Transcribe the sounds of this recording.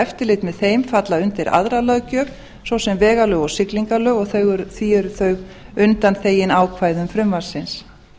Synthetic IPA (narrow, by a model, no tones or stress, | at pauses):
ɛft̪ɪlɪt̪mɛðθejmfat̪laʏnt̪ɪɾʔa̰ðɾalœːɥcœːp | sowsɛmvɛːɣalœːɣɔɣsɪkliŋkalœːɣɔɣθœɣʏɾθiːʏɾθœɥɣ | ʏnt̪anθeːjɪnaːwkʰvaːjðʏmfɾʏmvaɾ̥sɪns